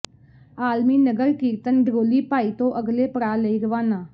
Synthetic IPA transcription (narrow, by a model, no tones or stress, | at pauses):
aːlmiːnəɡəɾkiːɾt̪ənɖʱɾoːliːpaːiːt̪õːʔəɡleːpəɽaːleiːɾəʋaːnaː